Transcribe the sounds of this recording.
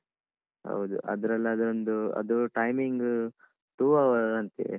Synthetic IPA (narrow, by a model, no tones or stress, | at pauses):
ɦɐ̰wd̪ṵʔɐ̰d̪ɐɾɐlːɐːd̪ɐɾond̪uɐ̰d̪uʈɐjmiŋɡ | ʈuːɐʋɐɐnt̪ḭe